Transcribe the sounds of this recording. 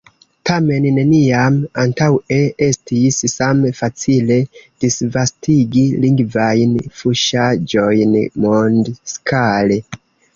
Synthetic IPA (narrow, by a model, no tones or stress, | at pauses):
tame̞nːe̞niamantawe̞e̞stissamfat͡sile̞d̥isvastiɡiliŋɡvajnfuʃad͡ʒo̞jnmondskʰale